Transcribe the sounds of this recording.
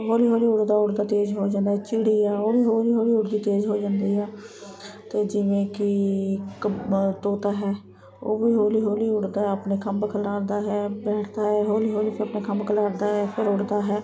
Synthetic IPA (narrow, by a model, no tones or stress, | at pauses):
ɦoːliːɦoːliːʊɽd̪aːʊɽd̪aːt̪eːd͡ʒɦoːd͡ʒãːnd̪aːɦɛːt͡ʃiɽiːɛːoːʋiːɦoːliːɦoːliːʊɽd̪iːt̪eːd͡ʒɦoːd͡ʒãːnd̪iːɛː | t̪eːd͡ʒɪʋẽːkɪkt̪oːt̪aːɦɛː | oːʋiːɦoːliːɦoːliːʊɽd̪aːəpneːkʰəmbkʰəlaːɾd̪aːɦɛːbɛːʈʰd̪aːɦɛːɦoːliːɦoːliːpʰɪɾəpneːkʰəmbkʰəlaːɾd̪aːɦɛːpʰɪɾʊɽd̪aːɦɛː